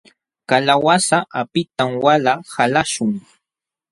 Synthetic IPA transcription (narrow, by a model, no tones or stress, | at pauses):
kalawasaʔapɪt̪amwalahalaʃʊŋ